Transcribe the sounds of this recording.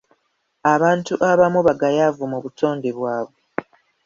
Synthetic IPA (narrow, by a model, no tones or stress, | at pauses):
aβaːntuʔaβamuβaɡajavumuβutʰo̞ːnde̞βwaːβwe